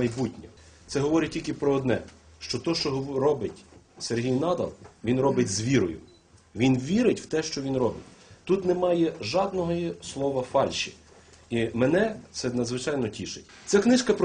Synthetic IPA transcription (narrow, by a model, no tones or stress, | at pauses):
ɐjbutʲnʲɐ̰ | t̪sɛɦɔʋɔɾʲɪtʲilʲkɪpɾɔːd̪nɛ | ʃt͡ʃɔt̪ɔʃt͡ʃɔɦɾɔbɪtʲ | serɦʲijnɑd̪ɐ̰lˠʋʲinɾɔbɪtʲzʋʲiɾɔjʊ̰ | ʋʲinʋʲiɾɪtʲw̥t̪ɛʃt͡ʃɔʋʲinɾɔbɪtʲt̪ut̪nemɑjɛʒɑd̪nɔɦɔjislˠɔʋɐfɑlʲʃi̥̰ | imɛnɛt̪sɛnɐd̪zʋɪt͡ʃɑjnɔtʲiʃɪtʲt̪sɛknɪʃkɐpɾ